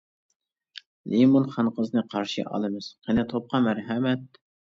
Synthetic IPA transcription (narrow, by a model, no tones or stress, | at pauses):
lʔimonχɑnqʰəznɨqʰɑɾʃḭʔɑ̰lˠɨmɨz̥qʰenɪt̪ʰop̚qʰɑmæɾɦɛmɛt̪̚